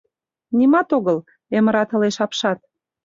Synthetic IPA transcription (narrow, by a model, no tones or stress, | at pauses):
nimɑt̪oɣəl | emə̆ɾɑt̪ə̆leʃɑpʃɑt̪̚